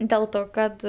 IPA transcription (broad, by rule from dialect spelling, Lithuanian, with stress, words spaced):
dʲɛlˠ ˈtoː ˈkɐt